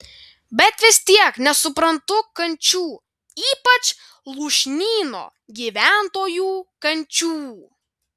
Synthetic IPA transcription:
bʲɛt̪ʋʲɪst̪ʲiɛknʲɛsʊpɾɐnt̪ʊkɐnʲt͡ʃʲuː | iːpɐt͡ʃ | lˠuːʃʲnʲiːno̰ː | ɡʲiːʋʲæˑnt̪oːjuːkɐnʲt͡ʃʲuː

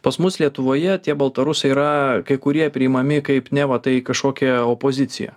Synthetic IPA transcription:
pɐsmʊslʲiɛt̪ʊʋoːjɛt̪ʲiɛbɐlˠt̪ɐɾʊsɐɪiɾɐkɐɪkʊɾʲiɛpʲɾʲɪɪmɐmʲɪkɐɪpnʲɛʋɐt̪ɐɪkɐʃkoːkʲɛoːpoːzʲɪt̪sʲɪjɛ̰

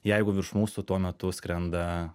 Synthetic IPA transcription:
jɛɪɡʊʋʲɪɾʃmuːsʊt̪uɔmʲɛt̪ʊskɾʲɛnd̪ɐ

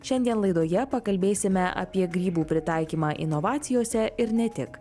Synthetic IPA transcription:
ʃʲɛnʲd̪ʲiɛnlˠɐɪd̪oːjɛpɐkɐlʲbʲeːsʲɪmʲɛʔɐ̰pʲiɛɡɾʲiːbuːpʲɾʲɪt̪ɑˑɪkʲiːmɑːʔɪ̰nɔʋɑːt̪sʲɪjoːsʲɛɪɾnʲɛt̪ʲɪk

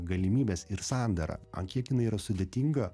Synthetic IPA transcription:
ɡɐlʲɪmʲiːbʲeːsɪɾsɑˑnʲd̪ɐɾɐ̰ɐ̰ŋkʲiɛkjɪnɐɪiɾɐsʊd̪ʲeːt̪ʲiŋɡɐ

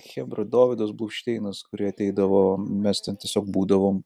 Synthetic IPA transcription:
xʲɛbɾɐd̪oːʋʲɪd̪oːsblˠuːkʃʲt̪ʲɛɪnɐskʊɾʲiɛɐt̪ʲɛɪd̪ɐʋoːmʲɛst̪ʲɛnt̪ʲiɛsʲoːk̚buːd̪ɐʋoːm

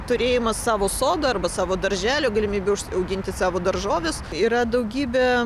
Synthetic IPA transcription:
t̪ʊɾʲeːjɪmɐsːɑːʋoːsoːd̪ɐɐrbɐsɑːʋoːd̪ɐɾʲʒʲæːlʲoːɡɐlʲɪmʲiːbʲɛʊʃɐʊɡʲɪnʲt̪ʲɪsɑːʋoːd̪ɐrʒoːʋʲʊsiːɾɐd̪ɐʊɡʲiːbʲe

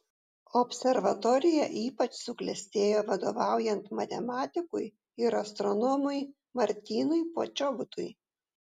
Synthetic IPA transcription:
ɔpʲsʲɛɾʋɐt̪ɔɾʲɪjɛ̰ʔiːpɐt͡ʃsʊklʲɛsʲt̪ʲeːjoːʋɐd̪oʋɑˑʊjɛnt̪mɐt̪ʲɛmɑːt̪ʲɪkʊj | ɪɾɐst̪ɾɔnɔːmʊɪ | mɐɾʲt̪ʲiːnʊɪpo̰ːt͡ʃʲɔʋʊt̪ʊɪ

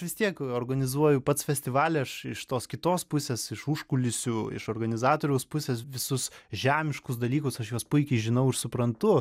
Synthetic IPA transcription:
ʋʲɪst̪ʲiɛkoːrɡɐnʲɪzuɔjʊpɐt̪sfʲɛsʲt̪ʲɪʋɑːlʲɛɐʃɪʃt̪oːskʲɪt̪oːspʊsʲeːsɪʃuʃkʊlʲɪsʲʊɪ̰ʃoːrɡɐnʲɪzɑːt̪oːɾʲɛʊspʊsʲeːsʋʲɪsʊsʒʲæːmʲɪʃkʊsd̪ɐlʲiːkʊsɐʃjuɔspʊɪkʲɛɪʒʲɪnɐʊɪɾsʊpɾɐnt̪ʊ

